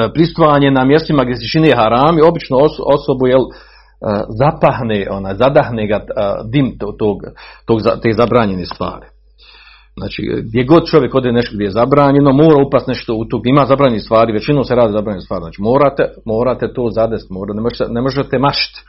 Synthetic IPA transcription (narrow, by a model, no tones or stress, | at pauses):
pɾist̪ʋaːɲenamjest̪imaɡd̪ʲjes̬et͡ʃineeɦaɾaːmio̞bit͡ʃnoososo̞bujel | əzapahneʔo̞naːjzad̪ahneːɡad̪imt̪ot̪oːɡt̪oːɡza̰t̪eːzabɾaːɲe̞neːst̪ʋa̰ːɾi | zna̰ːt͡ʃḭɡ̚d̪jeɡo̞d̪̚t͡ʃoʋje̞ko̞d̪eneʃt̪oɡd̪ʲjejezabɾaːɲe̞no̞moːɾaupast̪neʃt̪out̪oɡd̪ʲjeimaːzabɾaːɲenist̪ʋaːɾiʋet͡ɕinoːseɾaːd̪iːzabɾaːɲenst̪aːɾiznaːt͡ʃiːmoːɾat̪emo̞ːɾaːt̪et̪oːzad̪est̪moːɾanemoʒet̪enemoʒet̪emaʃi̥t̪